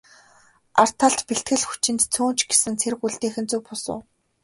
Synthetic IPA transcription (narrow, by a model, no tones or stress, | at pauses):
ar̥t̪ʰaɮt̪peɬt̪̚ɡɘ̆ɮxu̥t͡ɕɪ̆nt̪t͡sʰuːnt͡ɕɡesɘ̆nt͡sʰerkuɮt̪eːxɘ̆nt͡sujpʊsʊ̰ː